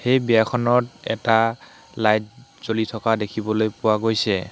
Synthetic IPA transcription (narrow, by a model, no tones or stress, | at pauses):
hejbijakʰɔnɔtɛ̰ta | lajtz̥olitʰɔkadekʰibɔlojpʊwaɡojsɛ